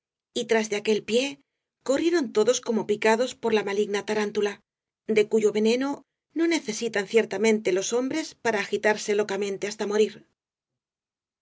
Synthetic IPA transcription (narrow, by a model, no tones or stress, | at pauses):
it̪ɾazðe̞ake̞lpje̞ | ko̞rje̞ɾo̞nt̪o̞ðo̞sko̞mopikaðo̞spo̞ɾlamaliɣnat̪aɾant̪ula | d̪e̞kuʝo̞βe̞ne̞no̞ | no̞ne̞θe̞sit̪anθje̞ɾt̪amẽ̞nt̪e̞lo̞so̞mbɾe̞spaɾaːxit̪aɾse̞lo̞kamẽ̞nt̪e̞ast̪amo̞ɾiɾ